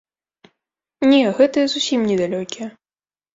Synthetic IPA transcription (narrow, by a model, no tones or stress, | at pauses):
nʲɛɣɛt̪ɐjɛzusʲimnʲɛd̪alʲɔkʲijɐ